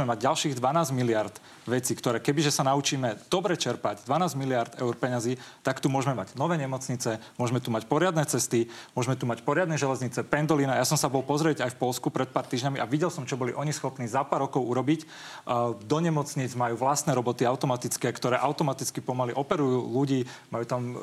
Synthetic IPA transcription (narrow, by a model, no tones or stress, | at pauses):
mɛmaɟɟalʃiːɣd̪ʋanaːzmilɪaɾd̪ | ʋɛt͡siːkt̪ɔɾɛːkɛbiʒɛsanaut͡ʃiːmɛd̪̥ɔbɾɛt͡ʃɛɾpaɟd̪ʋanaːzmilɪaɾd̪ɛ̰ʊɾpɛɲaziːt̪akt̪umʊɔʒmɛmaɟnɔʋɛːɲɛmɔt͡sɲit͡sɛmʊɔʒmɛt̪umacpɔɾɪad̪nɛt͡sɛst̪imʊɔʒmɛt̪umacpɔɾɪad̪nɛʒɛlɛzɲit͡sɛpɛnd̪ɔlinajasɔmsabɔɦlpɔzɾɛɟajfpɔlskupɾɛt̪̚paːɾt̪iːʒɲamiʔaʋiɟɛlsɔmt͡ʃɔbɔliʔɔɲisxɔpniːzapaːɾɔkɔʊuɾɔbic | d̪ɔɲɛmɔt͡sɲiːd͡zmajuːʋlast̪nɛɾɔbɔt̪iaʊt̪ɔmat̪it͡skɛːkt̪ɔɾɛːʔaʊt̪ɔmat̪it͡skipɔmaliʔɔpɛɾujuːluɟiːmajuːt̪am